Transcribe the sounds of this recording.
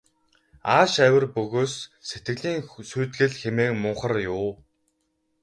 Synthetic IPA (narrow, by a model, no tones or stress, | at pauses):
aːʃæwʲə̆rpɵɣoːsːet̪ɡɘ̆ɮiːŋsuːt̪ɣɘ̆ɮxemeːkmʊɴχə̆rjʊː